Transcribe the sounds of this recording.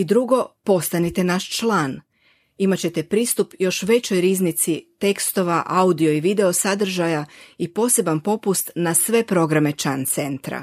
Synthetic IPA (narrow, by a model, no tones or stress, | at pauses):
id̪ɾuɡo̞po̞st̪anit̪e̞naʃt͡ʃlˠaːn | imat͡ɕe̞t̪e̞pɾiːst̪upjo̞ʃʋe̞t͡ɕo̞jɾiːznit̪sit̪e̞kst̪o̞ʋaʔaud̪io̞iʋid̪e̞osad̪r̩ʒajaipo̞ːse̞banpo̞pust̪nasʋe̞pɾo̞ɡɾame̞t͡ʃant̪se̞nt̪ɾa̰